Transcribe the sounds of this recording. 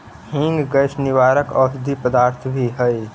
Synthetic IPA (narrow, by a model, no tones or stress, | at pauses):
hɪ̃ŋɡɡəʃnɪʋaːɾəkɔːsd̪ʱipəd̪aːɾt̪ʰbʱiɦəi